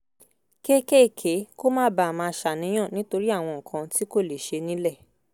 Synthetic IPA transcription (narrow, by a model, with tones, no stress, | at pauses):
ke˦ke˦˨kʰe˨˦ko˦mãː˦ba˨mãː˧˦ʃa˨nĩ˨˦j̃ã˦˨nĩ˨˦to˧ɾi˦a˦˨w̃ɔ̃˧ŋ̩̃˨kʰã˧ti˦ko˦˨le˨ʃe˧nĩ˨˦lɛ˦˨